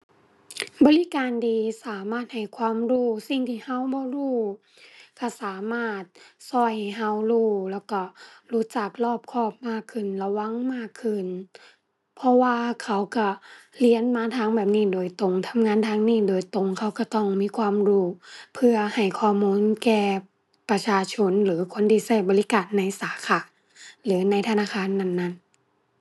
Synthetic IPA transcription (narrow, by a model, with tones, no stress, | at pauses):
bɔː˧˦li˦kaː˨ndiː˨saː˨˦maː˧˩t̪̚ha˨˩jkʰwaː˧˥˨mɾuː˧˩si˨˩ŋt̪ʰiː˧˨ha˧˥˨wbɔː˧˦ɾuː˧˩ | ka˧˩saː˨˦maː˧˩t̪̚sɔ˧˩jɦa˧˥˩wɾuː˧˩lɛː˧˩wkɔ˧˩ɾuː˧˥t͡ɕa˨˩k̚lɔː˧˩p̚kʰɔː˧˩p̚maː˧˥˩kʰːɯ˧˩˨nla˧wa˧˥˨ŋmaː˧˥˩kʰːɯ˧˩˨n | pʰɔ˧waː˧kʰa˧˥˩wka˧˩li˧˥ə˨nmaː˧˥t̪ʰaː˧˥˨ŋbɛː˨˩p̚niː˧˩˨doː˨˩jt̪o˧˩ŋt̪ʰa˧˥mŋaː˧˥˨nt̪ʰaː˧˥ŋniː˧˩˨doː˨˩jt̪o˧˩ŋkʰa˧˥˩wka˧˩t̪ɔ˧˩ŋmiː˧˥˨kʰwaː˧˥˨mɾuː˧˥˩pʰɯ˧ɐha˨˩jkʰɔː˧˩muː˧˥˨nkɛː˧˩ | pa˧t͡ɕʰaː˧t͡ɕʰo˧˥˨nlɯː˨˦kʰo˧˥˨ndiː˧˩sa˧˩jbɔː˧˦li˦kaː˨nːa˧˥jsaː˨˦kʰaː˧˩ | lɯː˨˦na˧˥jt̪ʰa˧naː˧˩kʰaː˧˥˨nːa˧˩˨nːa˧˩˨n